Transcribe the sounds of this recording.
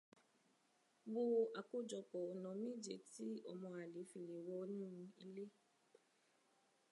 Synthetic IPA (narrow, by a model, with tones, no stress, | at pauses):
bʊ˦˨ʔa˨kʊ˦d͡ʒɔ˨kɔ˨nɔ˨mi˦d͡ʒḛ˨ti˦ɔ̰˨mɔ˨a˨li˨˦fi˨li˨wo˦ɲũ˦m̩˦e˦le˦